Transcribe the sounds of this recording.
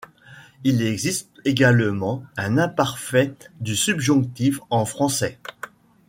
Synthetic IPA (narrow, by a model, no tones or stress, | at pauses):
ilɛɡzist̪eɡalmɑ̃ɛ̃nɛ̃paʁfɛd̪ysybʒɔ̃kt̪ifɑ̃fχɑ̃sɛ